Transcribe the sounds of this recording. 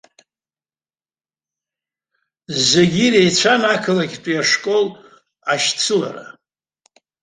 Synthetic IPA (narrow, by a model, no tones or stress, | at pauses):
zeɡʲirejt͡ɕʷʰanakʰɨlaɡʲtʷʼijaʂkʼo̞l | aʃt͡sʰɨla̰ra̰